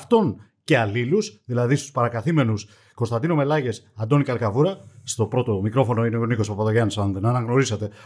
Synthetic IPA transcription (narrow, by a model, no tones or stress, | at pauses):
ft̪o̞n | ce̞ɐlilusðilɐðist̪u̥spɐɾɐkɐθime̞nus | kost̪ɐnd̪inome̞lɐʝe̞sɐnd̪o̞nikɐɾkɐvuɾɐst̪o̞pɾo̞t̪o̞mikɾo̞fo̞no̞ineoniko̞spɐpɐðoʝɐnsɐnðenɐːnɐɣno̞ɾisɐt̪e̞